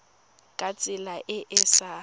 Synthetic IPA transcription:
kʼat͡sʼɪlaʔɪʔɪsa

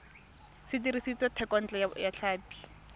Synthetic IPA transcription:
sɪtiɾisit͡sɔtʰɛkɔn̩t͡ɬɛjaɬʰaːpi̥

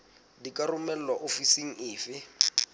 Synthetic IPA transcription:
dikʼarʊmɛl̩laʔofisiŋ̩ɪːfɪ

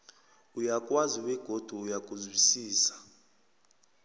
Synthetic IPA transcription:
ujakʼwaziwɛɡ̥ʱod̥ʱuːjakʼuzwisiːsḁ

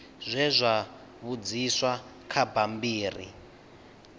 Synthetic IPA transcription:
zʷɛzʷa | βud͡ziswa | kʰabambiːrḭ

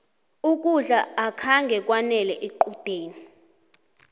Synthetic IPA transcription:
uk̬ʼuɮaːkʰaŋɡʱɛk̬wanɛlɛʔeǃud̥ʱeːni

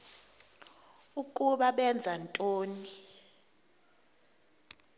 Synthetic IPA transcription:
ukʼuɓaɓɛnd͡zʱantʼoːni

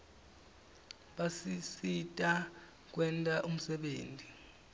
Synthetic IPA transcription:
ɓasisitʼa | k̬wɛntʼaʔum̩sɛɓeːntʼi

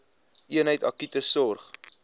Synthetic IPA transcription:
iənɦəjtɐ̰kytəsɔrχ

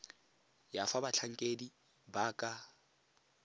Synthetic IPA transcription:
jafabat͡ɬʰaŋ̩kʼedi | baːkʼa

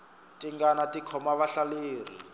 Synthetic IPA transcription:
tiŋɡanatikʰɔmaβaɬaleːrḭ

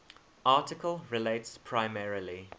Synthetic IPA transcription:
ʔɑːˑtɪkəlˠɹɪleɪtspʰɹaɪmɛɹili

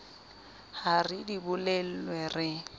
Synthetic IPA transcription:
haridibʊlɛl̩lwɛrɪ

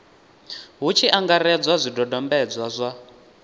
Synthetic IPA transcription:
ɦut͡ʃʰiʔaŋɡaɾɛd͡zwazʷidɔdɔmbɛd͡zwazʷa

